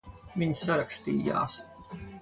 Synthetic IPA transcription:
mɪɲʲsaɾakst̪ḭːja̰ːs

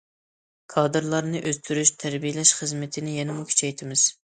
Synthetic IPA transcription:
kʰɑːd̪ɨɾlˠɑɾnɨʔøzt̪ʰyɾyʃt̪ʰæɾbijɪlɛʃχəzmɪt̪ʰɪnɪjɛnɪmukʲʰy̥t͡ʃʰɛjt̪ʰɪmɪz̥

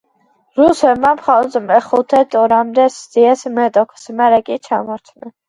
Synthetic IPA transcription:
ɾusɛmapχaɔzmɛχut̪ʰɛt̪ʰʼɔɾamd̪ɛsziɛsmɛt̪ʼɔkʰsmɛɾɛkʼit͡ʃʰa̰mɔɾt̪ʰnɛ

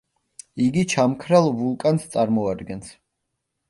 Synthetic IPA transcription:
iɡit͡ʃʰamkʰɾalˠvulˠkʼanst̪sʼaɾmɔad̪ɡɛns

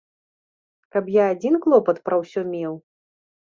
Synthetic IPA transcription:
kɐpjaːd͡zʲinklˠɔpɐt̪pɾɐwsʲɔmʲɛw

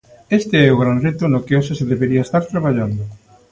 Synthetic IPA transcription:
est̪eɛoɣɾanret̪ʊnokeoʃ̬eseðeβeɾiaest̪aɾt̪ɾaβ̞aʎand̪ʊ

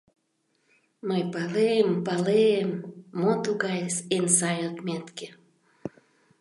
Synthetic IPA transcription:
məjpɑleempɑleemːot̪uɣɑjsensɑjot̪mʲet̪ke̥

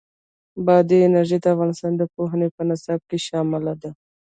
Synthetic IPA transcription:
bɑd̪iɪnaɾʒed̪əafɣɑnɪst̪ɑnd̪əpoɦənepənɪsab̚keʃɑmɪlad̪a

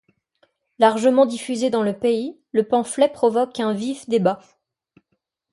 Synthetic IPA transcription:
laʁʒəmɑ̃d̪ifyzed̪ɑ̃ləpei | ləpɑ̃flɛpχɔvɔkɛ̃vifd̪eba

